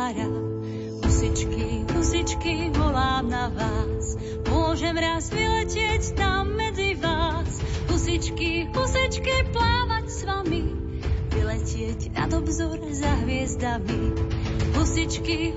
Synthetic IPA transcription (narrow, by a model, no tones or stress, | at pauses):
ɾa | ɦusit͡ʃkiɦusit͡ʃkivɔlaːmnavaːs | mʊɔʒɛmɾaːzʋilɛcɪɛɟnamɛd͡zivaːsɦusit͡ʃkiɦusit͡ʃkiplaːʋacsʋami | ʋilɛcɪɛcna̰d̪ɔbzɔɾzaɦʋɪɛzd̪ami | ɦusit͡ʃki